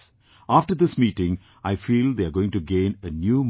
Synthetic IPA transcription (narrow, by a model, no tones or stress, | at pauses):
aːfʈəɾd̪ɪsmiːʈɪ̃ŋ | aɪfiːld̪eaɾɡoːɪ̃ŋʈuɡẽːnənjuːm